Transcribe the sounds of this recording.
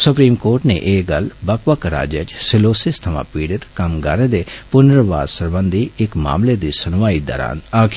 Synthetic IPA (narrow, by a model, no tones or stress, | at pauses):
sʊpɾiːmkoːɾʈnḛ̃ːʔeːɡəlbəkʋaːkəɾa̰ːd͡ʒet͡ʃsɪloːsɪst̪ʰəʋã̰ːpiːɽɪt̪kəmɡaːɾeːd̪eːpʊnəɾʋaːd̪səɾbənd̪ʱiːɪkma̰ːmleːd̪iːsənʋaːiːd̪a̰ːɾa̰ːnaːkʰ